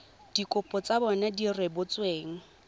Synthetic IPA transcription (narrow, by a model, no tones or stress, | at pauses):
d̥ikʼʊpʼɔt͡sabɔnadirwebʊt͡sʼweːŋ̩